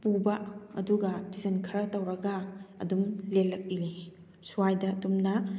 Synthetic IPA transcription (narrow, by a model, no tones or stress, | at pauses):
pubɐɐ̰duɡɐtizɐnkʰɾɐtɐwɾɐɡɐ̰ːdumlelːɐk̚ile | suajdɐɐdumnɐ